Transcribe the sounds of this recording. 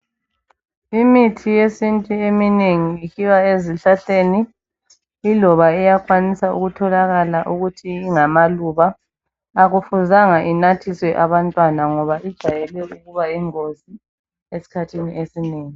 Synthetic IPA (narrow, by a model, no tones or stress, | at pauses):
imitʰijesintʼuemineŋiːkiwaeziɬaɬeːniː | lɔβaɛjakʼwanisaṵɣutʰɔlaɣalaʔuɣutʰiːŋamaluβaː | ɣufuzaŋaʔinatʰiswɛʔaβantʼwanaŋɔβaʔid̥ʒ̥ʱajɛlɛuɣuβaiŋozi | esi̥kʰatʰiniʔesineːŋi